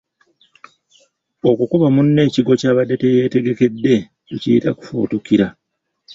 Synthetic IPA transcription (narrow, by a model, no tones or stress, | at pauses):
o̞kukuβamunːe̞ːciɡo̞caːβade̞teje̞ːte̞ɡe̞ke̞dːe̞ | tuciːta̰ku̥fṵːtukiɾa